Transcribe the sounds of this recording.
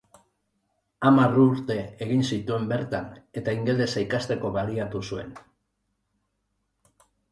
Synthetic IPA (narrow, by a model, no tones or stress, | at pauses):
amaruɾt̪e̞ːɣ̞insit̪ue̞mbe̞ɾt̪ane̞t̪aiŋɡe̞ld̪e̞sajkast̪e̞ko̞βaliat̪usue̞n